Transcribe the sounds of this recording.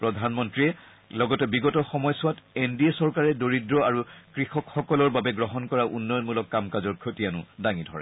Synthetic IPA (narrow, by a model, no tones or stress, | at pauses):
pɹɔdʱanmɔntɹiɛ | lɔɡɔtɛbiɡɔtɔxɔmɔjsʊwatendiesɔɹkaɹɛdoɹidɹɔaɹukɹixɔkxɔkɔlɔɹbabɛɡɹɔɦɔnkɔɹaʔṵnːɔjɔnmulɔkːamkazɔɹkʰotijanʊ̰daŋidʱɔɹɛ̰